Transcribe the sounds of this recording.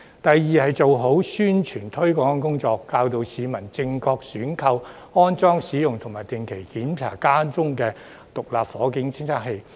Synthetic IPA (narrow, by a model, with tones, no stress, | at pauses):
t̪ɐ˨jːiː˨˧hɐ˨jt͡so˨wɦo˨˥wsyː˥nt͡ʃʰyː˨˩nt̪ʰɵ˥ɥkɔː˨˥ŋ˥kʊ˥ŋt͡sɔː˧kːaː˧wt̪o˨wsiː˨˧mɐ˨˩nt͡sɪ˧ŋkʰɔː˧k̚syː˨˥nkʰɐ˧w | ɔː˥nt͡sɔː˥ŋsiː˨˥jʊ˨ŋt̪ʰʊ˨˩ŋmaː˨jt̪ɪ˨ŋkʰe˨˩jkiː˨˥npʰa̰ː˨˩kaː˥nt͡sʊ˥ŋkɛː˧ | t̪ʊ˨k̚laː˨pfɔː˨˥kɪ˨˥ŋt͡sʰɪ˥ŋsʰaː˥k̚ɦe˧j